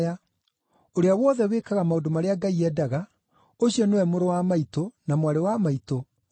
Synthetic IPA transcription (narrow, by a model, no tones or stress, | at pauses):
a | oɾeawɔðɛwekaɣamaodomaɾeaɡaiɛdaɣa | oɕiɔnewɛmoɾowamaitonamwaɾewamaito